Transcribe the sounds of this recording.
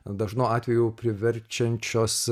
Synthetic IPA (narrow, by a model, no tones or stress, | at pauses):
d̪ɐʒnoːɑːt̪ʲʋʲɛjuːpʲɾʲɪʋʲɛɾʲt͡ʃʲɛnʲt͡ʃʲoːs